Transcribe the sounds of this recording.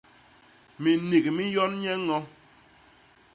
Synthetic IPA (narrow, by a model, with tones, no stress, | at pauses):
mi˨ni˨ki˨mi˦jɔ˦nɲɛ˦ŋɔ˦